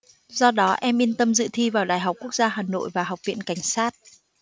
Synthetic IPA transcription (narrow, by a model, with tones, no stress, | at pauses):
zɔ˧ɗɔ˨˦ʔɛ˧mʔi˧nt̪ə˧mzɨ̰˧˨t̪ʰi˧vaː˨˩wɗaː˨˩jɦa˨˩wk͡p̚ku˦˥ək̚zaː˧ɦaː˨˩no̰˧˨jvaː˨˩ɦa˨˩wk͡p̚vḭ˧˨ənka˧˩jŋ̟saː˦˥t̚